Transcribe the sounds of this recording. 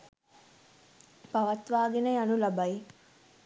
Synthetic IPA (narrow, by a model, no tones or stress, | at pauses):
paʋɐt̪ʋaːɡenəjanulabaj